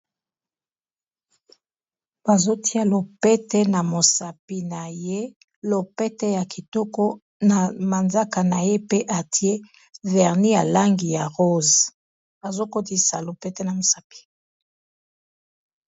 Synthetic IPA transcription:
b̥a˨zo˦tʰi˦a˦lo˨pɛ˦tɛ˦na˨mo˨sa˨pi˦na˨je˦ | lo˨pɛ˦tɛ˦ja˨ki˨tɔ˦kɔ˦ | na˨ma˨nza˦ka˨na˨je˦pe˦ʔa˨ti˦e˦ | vɛ˨ʁni˦ja˨la˦ŋɡi˨ja˨ʁo˦z | a˨zo˦ko˦ti˦sa˨lo˨pɛ˦tɛ˦na˨mo˨sa˨pi̥˨

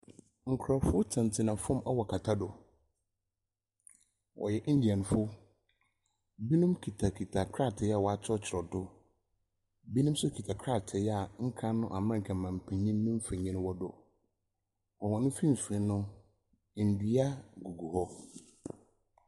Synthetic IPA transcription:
ŋ̩˨kʰɾɔ˨fʊ˦tʰɪ̃˨n˨tʰɪ˨nã˨fʊ̃˦mɛ˦wɔ˨kʰa˨tʰa˦dʊ˨ | wʔɔ̰˨jɛ˨ʔn̩˦di˨ɛ˨nʊ̃˨fʊ˦ | bi˦nʊ̃˦mkʰi˨tʰa˨kʰi˨tʰa˨kʰɾa˦tʰɪ˨ja˦˨wɔ˨a˨t͡ɕʰɪ˦ɔ˦t͡ɕʰɪ˨ɾɔ˨dʊ˦ | bi˦nĩ˦m˦sʊ˦kʰi˨tʰa˨kʰɾa˦˨tʰɪ˨ja˨ŋ̩˦kʰã˦nʊ̃˦ʔa˨m˦ã˦ŋ̩˨kʰɛ̃˨mã˨m̩˨pʰɛ̃˨ɲĩ˦mː˦ʊ̃˦m̩˦fɛ˨ɲĩ˦nʊ̃˦wɔ˦dʊ˦˨ | ɔ˨wɔ̃˨nʊ̃˦fi˦m̩˨fɾĩ˨˦nʊ̃˦˨ | n̩˨di˨a˦ɡu˨ɡu˨hɔ˦

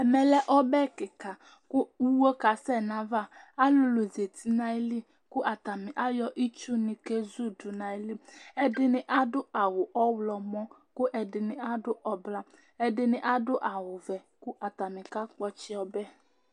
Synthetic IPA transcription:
ɛ˨mɛ˨lɛ˦ʔɔ˦bɛ˦kɪ˨ka˨ | kʊ˦u˦wo˦ka˨sɛ˦˨nã˨va˦˨a˦lʊ˨lo˨ze˨t̪i˦na˨ɪ˦li˦ | kʊ˦ʔa˨t̪a˨mɪ˨ʔa˦jɔ˦ʔi˦t͡ʃu˦nɪ̃˨ke˦zu˦dʊ˨na˨i˦li˦ɛ˦dɪ˦nɪ˨ʔa˦dʊ˦a˨wʊ˨ʔɔ˦wlɔ˨mɔ̃˦ | kʊ˦ʔɛ˨dɪ˨nɪ̃˨ʔa˦dʊ˦ʔɔ˨bla˦ | ɛ˦dɪ˨nɪ̃˨ʔa˦dʊ˦ʔa˨wʊ˨vɛ˨kʊ˦ʔa˨t̪a˨mɪ̃˨ka˦k͡pɔ˦t͡ʃɪ˦ɔ˦bɛ˦

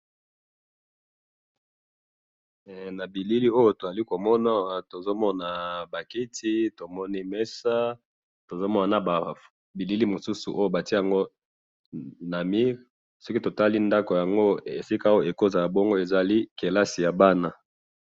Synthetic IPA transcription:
na˨bi˨li˦li˦o˦jo˦to˨za˨li˦ko˨mɔ˦na˦˨wa˨to˨zo˦mɔ˦na˨ba˨ki˦tʰi˦to˨mɔ˦ni˦mɛ˦sa˦ | to˨zo˦mɔ˦na˨na˨ba˨ | bi˨li˦li˦mo˨su˦su˨ʔo˦jo˦˨ba˨ti˦ja˨ŋɡo˦ | na˨mi˦ʁ | sɔ˦ki˦to˨ta˦li˦nda˦ko˨ja˨ŋɡo˦e˨si˦ka˦o˦e˨ko˦za˨ja˨bɔ˦ŋɡo˦e˨za˨li˦ke˨la˦si˨ja˨ba˦na˦

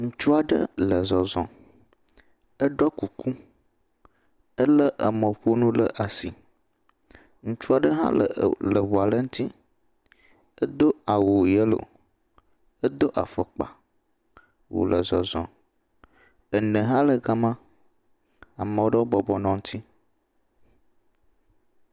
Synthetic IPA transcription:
ŋũ˦t͡ʃu˦a˨ɖə̰˦lə˨zɔ˨zɔ̰̃˨ | ə˦ɖɔ˦ku˨ku˦ | ə˦lə˦ʔə̰˨mə˨ɸo˦nũ˦lə̰˨ʔa˨si˨ | ŋũ˦t͡ʃu˦a˨ɖə˦ɦã̰˦lə̰˨lə˨βo˨a˨lə˦ŋũ˦t̪ʰi˦ | ə˦d̪o˦a˨wo˨jə˦lo̰˨ | ə˦d̪o˦ʔa̰˨fə˨k͡pa̰˨ | wo̰˨lə˨zɔ˨zɔ̰̃˨ | ə˨nə̃˨ɦã˦lə˨ɡa˦mã˦ | a˨mə̃˨wo˦ɖə˦wo˦bɔ˦bɔ˨nɔ̃˨ŋũ˦t̪ʰi˦

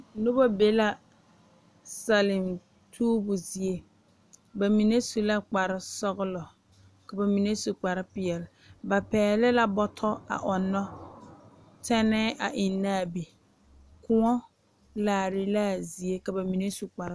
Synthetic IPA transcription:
nʊ˦bɔ˦be˨la˨ | sa˨lɪ˨m | tʰuː˦bʊ˨zi˨e˦ | ba˨mi˨ne˦su˨la˦k͡pa˨ɾɪ˦sɔ˦ɣʊ˦lɔ˨ | ka˨ba˨mi˨ne˦su˨k͡pa˨ɾɪ˦pɪ˨ɛ˨lɪ˨ | ba˨pɛː˨lɪ˦la˦bɔ˦tʰɔ˦a̰˨ʔɔ˨nːɔ˦ | tʰɛ˦nɛː˦ʔa˨ʔɪ˨nːaː˦˨bi˨ | kʊ˦ŋɔ˦ | laː˨ɾɪ˦la˦zi˨e˦ka˨ba˨mi˨ne˦su˨k͡pa˨ɾ

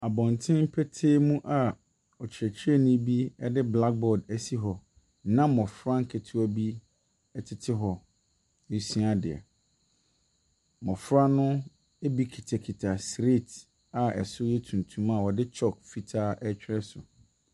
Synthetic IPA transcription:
a˨bɔ̃˨ntʰɪ̃˦m̩˦pʰɛ˦tʰeː˦mũ˦ʔa˨ | ɔ˨t͡ɕʰɪ˨ɾɛ˨t͡ɕʰɪ˦ɾɛ˦nʊ̃˦bi˦ɛ˦dɪ˦bla˦k̚bɔ˨dæ˨si˦ɦɔ˨ | nã˦mɔ̃˨fɾa˦ŋ̩˦kʰe˨tʰu˦æ˦bi˦ | ɛ˨tʰɪ˨tʰɪ˦ɦɔ˨ | e˨si˦a˨dɪ̰˨a̰˨ | mɔ̃˨fɾa˦nʊ̃˦ | e˦bi˦kʰi˨tʰa˨kʰi˨tʰa˨sɾe˦˨t | a˨ɛ̰˨sʊ˦jɛ˦tʰũ˨ntʰũ˦ma˨wɔ˨dɪ˦t͡ɕʰɔ˦kfi˨tʰaː˦ʔɛ˦t͡ɕᶣɪ˦ɾɛ˦sʊ̰˨

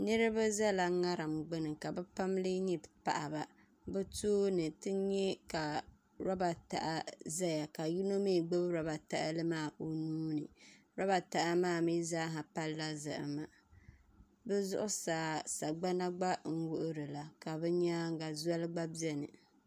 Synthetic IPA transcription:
nɨ˦ɾɨ˦ba˦za˦la˨ŋa˦ɾa˨mɡ͡bɨ˦nɨ˨ka˨bɛ˦pa˦mlɨ˦ɲi˨pa̰˨ʔa˨ba˨ | bɨ˦toː˦nɨ˨tɨ˦ɲɛ˦ka˨ | ɾɔ˦ba˨ta̰˨ʔa˦za˦ja˨ka˨ji˦no˦mi˦˨ɡ͡bɛ˦bɾɔ˨ba˨ta˦˨ʔa̰˦lɨ˦maː˦˨ʔo˨nuː˦nɨ̰˨ | ɾɔ˦ba˨ta˨ʔa˦maː˦˨mi˦zaː˦ɦa˨pa˦lːa˦zɨ̰˨ʔɨ̰˨ma˨ | bɛ˦zʊ̰˦ʔʊ˦saː˨sa˨ɡ͡ba˦na˦ɡ͡ba˦ŋ̩˦wʊ˦ʔʊ˦ɾɨ˨la˨ka˨bɛ˦ɲa˦ŋ˦ɡa˨za˦lɡ͡ba˦bi˦ɛ˦nɨ̰˨

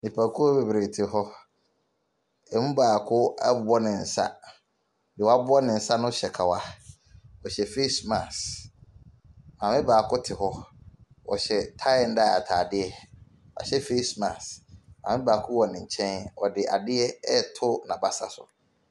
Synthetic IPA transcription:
nĩ˨pʰa˨kʰu˦ɔ˦be˨bɾe˨tʰɪ˨ɦɔ˦ | ɛ˨mũ˦baː˨kʰʊ˦a̰˦bʊ˨ɔ˦nɪ̃˨n̩˨sa̰˦ | dɪ˨wɔ˨a˦bʊ˦ɔ˦nɪ̃˨n̩˨sa˦nʊ̃˦ɕɛ˨kʰa˨wa˦ | ɔ˨ɕɛ˨fe˦smã˨s | mã˨mɪ̃˦baː˨kʰʊ˦tʰɪ˨hɔ˦ | ɔ̰˨ɕɛ˨tʰã˦ɛ˨n̩˦da˦˨a̰˨tʰaː˨dɪ˦ɛ˦ | a̰˨ɕɛ˦fe˦smã˨sã̰˨mɪ̃˦baː˨kʰʊ˦wɔ˨nɪ̃˨ɲ̩˨t͡ɕʰɛ̃˦nɔ˨dɪ˨ʔa̰˨dɪ˦ɛ˦ɛ˦˨tʰʊ˦nã˨ba˦sa̰˨sʊ̰˨

